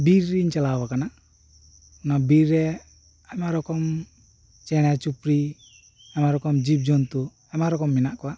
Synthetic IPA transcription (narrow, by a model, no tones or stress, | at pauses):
biɾiɲt͡ʃalawakana | nabiɾɛ | amaɾɔkɔm | t͡ʃɛñat͡ʃupɾi | amaɾɔkɔmd͡ʒip̬̚d͡ʒɔnt̪u | amaɾɔkɔmːinaʔkɔwa